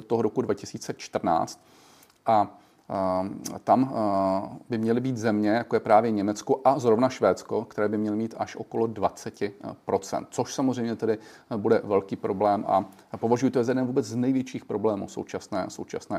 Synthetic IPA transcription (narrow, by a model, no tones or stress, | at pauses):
t̪oɦoɾo̞kudvacɪsiːt͡sɛt͡ʃt̪r̩na̰ːt͡st̪ | ʔa | t̪am | bɪmɲɛlɪbiːt̪zɛmɲɛjakojɛpɾaːvjɛɲɛmɛt͡skoʔazɾo̞vnaʃvɛːt͡sko̞kt̪ɛɾɛːbɪmɲɛlɪmiːt̪ʔaʃʔo̞̰kolodvat͡sɛcɪpɾo̞t͡sɛ̰nt̪̚t͡so̞ʃsamozr̝ɛjmɲɛt̪ɛdɪ | budɛvɛlkiːpɾo̞blɛːmʔa̰ | po̞vaʒujɪt̪ojɛzajɛdɛnvuːbɛt͡sznɛjvjɛt͡ʃiːxpɾo̞blɛːmṵːso̞̰wt͡ʃasnɛːso̰wt͡ʃa̰snɛː